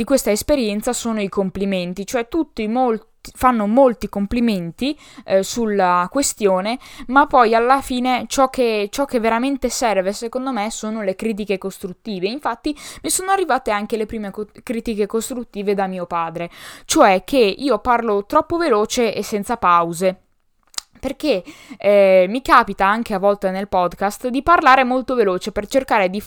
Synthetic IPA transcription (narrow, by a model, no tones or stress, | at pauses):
d̪ikwest̪aespeɾjɛnt̪sasoːnoikompliment̪it͡ʃoɛt̪ːut̪ːimolt̪ifanːomolt̪ikompliment̪i | sulːakwest̪joːnemapːɔjalːafiːnet͡ʃɔk̟ːet͡ʃɔkːevːeɾament̪esɛrvesekond̪omesoːnolekɾiːt̪̬ikekost̪ɾut̪ːiːveiɱfat̪ːimisoːnoarːivaːt̪eaŋkelepɾiːmekkɾiːt̪ikekost̪ɾut̪ːiːved̪amiːopaːd̪ɾet͡ʃoɛk̟ʰeiːoparlot̪ɾɔpːoveloːt͡ʃeesːɛnt̪sapawze | perk̟e | mikaːpit̪aaŋk̟eavɔlt̪enelpɔd̪kast̪d̪iparlaːɾemolt̪oveloːt͡ʃepert͡ʃerkaːɾed̪i